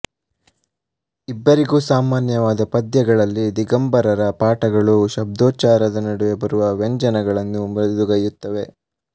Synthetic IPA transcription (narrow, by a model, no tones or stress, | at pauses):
ibːɐɾiɡuːsaːmaːnjɐʋaːd̪ɐpɐd̪jɐɡɐɭɐlːid̪iɡɐmbɐɾɐɾɐpaːʈɐɡɐɭuʃɐb̚d̪oːt͡ʃaːɾɐd̪ɐnɐɽɐʋe̞bɐɾuʋɐʋeɲd͡ʒɐnɐɡɐɭɐnːumid̪uɡɐjut̪ːɐʋe̞